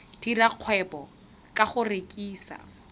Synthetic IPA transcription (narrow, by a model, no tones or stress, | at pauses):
d̥iraq͡χʰwɛpɔ | kʼaχʊrekʼiːsa̰